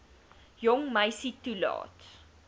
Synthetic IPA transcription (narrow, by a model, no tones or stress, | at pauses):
jɔŋməjsitulɑ̰ːt